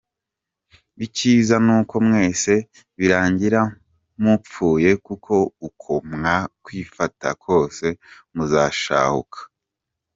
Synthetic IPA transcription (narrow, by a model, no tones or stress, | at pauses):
iciːzanuːko̞mŋe̞ːse̞ | βiɾaːɲɟiɾa | mup͡fuːje̞kukʰo̞ukʰomŋakwiːfata̰kʰo̞ːse̞ | muzaːʃa̰ːhṵkʰḁ